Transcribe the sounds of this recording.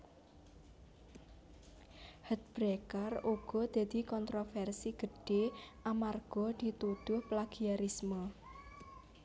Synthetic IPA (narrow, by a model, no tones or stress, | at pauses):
hət̪̚b̥ɾekaruɡ̥ɔ̤d̪̥a̤d̪̥i̤kɔnt̪ɾofɛrsiɡ̥ə̤ɖ̥eʔamarɡ̥ɔd̪̥i̤t̪ud̪̥ʊhplaɡ̥iaɾismɔ